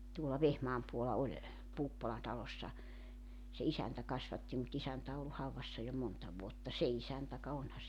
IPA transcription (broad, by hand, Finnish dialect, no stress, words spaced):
tuolɑ ʋehmɑːm puolɑ olʲ puːpːolɑ tɑlosːɑ se isæntæ kɑsʋɑtːi mut isæntæ o olːu hɑuʋɑsːɑ jo montɑ ʋuotːɑ se isæntæ kɑ onhɑ